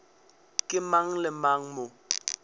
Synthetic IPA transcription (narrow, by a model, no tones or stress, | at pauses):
kʼɪmaŋ̩lɪmaŋ̩mʊ